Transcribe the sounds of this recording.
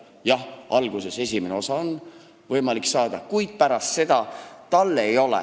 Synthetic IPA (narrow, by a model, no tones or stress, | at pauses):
jɑhʔɑlɡ̥use̞se̞sʲimeneo̞sɑon | vɤjmɑliksɑːd̪̥ɑkujd̪̥̚pæɾɑst̪se̞d̪̥ɑt̪ɑlːe̞jo̞lɛ̰